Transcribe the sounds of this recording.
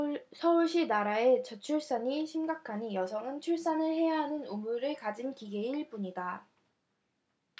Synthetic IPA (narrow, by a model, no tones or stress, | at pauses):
sʰʌuɭɕ͈inaɾae̞t͡ɕʌt͡ɕʰuɭs͈aɲiɕʰimɡakʰanijʌsʰʌŋɯnt͡ɕʰuɭs͈anɯɭhe̞jaɦanɯnumuɾɯɭkad͡ʑinkiɡe̞iɭp͈uɲida